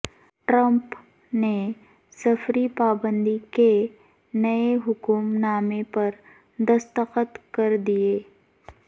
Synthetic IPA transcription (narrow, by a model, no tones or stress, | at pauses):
ʈɾə̃mp | ne | sɐfɾipaːbə̃nd̪ike | nɐeɦʊkumnaːmepɐɾ | d̪ɐst̪əqət̪kɐɾd̪ieː